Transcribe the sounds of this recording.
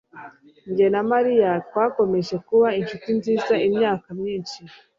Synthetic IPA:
ɲɟenamaɾijat̚wako̞me̞ʒe̞kuβainʃutinziːzaimɲaːkamɲiːnʃi

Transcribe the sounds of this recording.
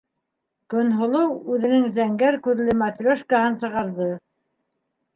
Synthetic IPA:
kɵ̆nɦŏlˠɤwʉðɘ̆nɘŋzæŋɡæɾkʉɾlɘmat̪rʲoʃkahɤnsɤ̆ʁɑɾðɤ

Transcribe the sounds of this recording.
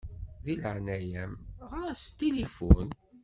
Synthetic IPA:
ðiləʕnæjæmʁɾæst̪ilifʊn

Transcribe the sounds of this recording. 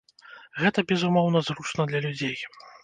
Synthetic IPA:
ɣɛt̪ɐbʲɛzumɔwn̪ɐzɾut͡ʂnɐd̪lʲɐlʲud͡zʲej

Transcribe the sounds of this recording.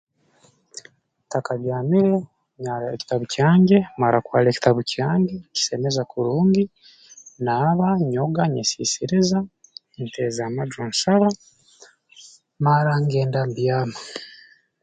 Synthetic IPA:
takaβjaːmiɾe | ɲaɾaeci̥taβucaːɲɟemaɾakwaːleci̥taβucaːɲɟeci̥semezakuɾuːŋɡi | naβaɲoɡaɲesḭsiɾiza | ntezamadɾonsaβa | maɾaŋɡe̞ːndambjaːma

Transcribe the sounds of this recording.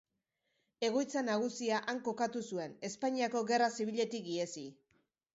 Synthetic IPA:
e̞ɣ̞o̞jt͡sanaɣ̞usiaʔaŋko̞kat̪usue̞ne̞spaɲiako̞ɣe̞rasiβ̞iʎe̞t̪ik̚ɡiesi

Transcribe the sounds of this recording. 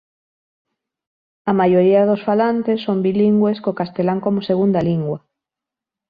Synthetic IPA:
ɐmajoɾiɐðosfalant̪esːombiliŋɡweskokast̪elaŋkomoseɣund̪ɐliŋɡwɐ

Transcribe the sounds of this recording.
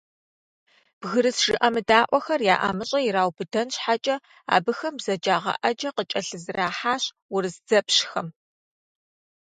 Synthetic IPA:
b̥ɣɨɾɨsʒ̥ɨʔɐmɨdaːʔʷɔxɐrjaːʔa̰mɨɕʼɐɪɾaːwbɨdɐnɕħat͡ʃʼɐ | a̰ːbɨxɐmbzɐd͡ʒaːʁɐ̰ʔɐd͡ʒɐqət͡ʃʼɐɬɨzɨraːħaːɕ | wʊrɨsd͡zɐpɕxɐm

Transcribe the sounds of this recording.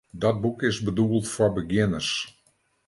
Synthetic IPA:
dɔt̚bukɪsbəduəlˠtfɔbəɡjɪnərs

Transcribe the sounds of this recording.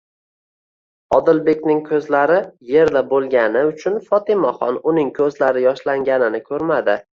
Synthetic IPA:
ɒd̪ɪlbe̞kʲnɪŋkʲʰɵzlaɾɪje̞ɾd̪abolˠɡʲanɪʊt͡ʃʰʊnfɒt̪ɪmaχɒ̰nʊnɪŋkʲʰɵzlaɾɪjɒʃlaŋɡʲanɪnɪkʰɵɾmad̪ɪ

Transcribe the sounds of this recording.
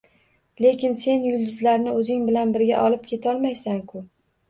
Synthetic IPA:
le̞kʲɪnse̞njʊlˠd̪ɪzlaɾnɪɵzɪŋbɪlanbɪɾɡʲa̰ʔɒlˠɪp̚kʲʰe̞t̪ʰɒlˠmajsaŋkʰʊ

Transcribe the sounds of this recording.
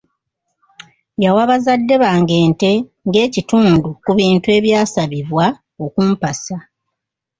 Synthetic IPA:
jawaβazadːe̞βaːŋɡe̞ːnte̞ | ŋɡe̞ːcituːndukuβiːntue̞ːβjaːsaβiβwa | o̞kum̩pasa

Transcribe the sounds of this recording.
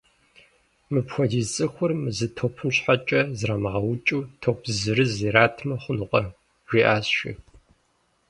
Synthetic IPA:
mɨpxʷɔdiːt͡sʼɨxʷʊrmɨzɨtʰoːpʰɨmɕħat͡ʃʼɐzramʁɐwʊt͡ʃʼuːtʰopʰzɨɾɨziɾaːtʰmɐχʷʊnɨqʼɐ | ʒʷiːʔaːsʃḭx

